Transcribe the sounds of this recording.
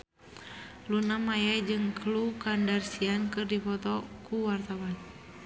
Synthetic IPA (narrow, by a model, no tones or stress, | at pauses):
lunamajad͡ʒɨŋklukandarsiankɨrdipɔt̪ɔkuwart̪awan